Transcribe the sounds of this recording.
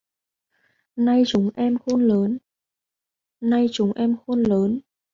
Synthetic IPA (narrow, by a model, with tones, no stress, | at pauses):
na˧jt͡ɕʊ˨˦ŋ͡mʔɛ˧mxo˧nləː˨˦n | na˧jt͡ɕʊ˨˦ŋ͡mʔɛ˧mxo˧nləː˨˦n